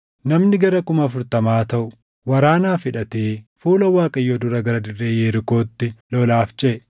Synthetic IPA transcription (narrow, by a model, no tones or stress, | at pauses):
nɐmnɪɡɐɾɐkʊmɐːfʊɾt̪ɐmaːt̪ɐʔʊ | wɐɾaːnaːfɪᶑɐt̪eːfuːlɐwaːkʼɐjːoːd̪ʊɾɐɡɐɾɐd̪ɪrːeːjeːɾko̞ːt̪ːɪlɔlaːft͡ʃʼeː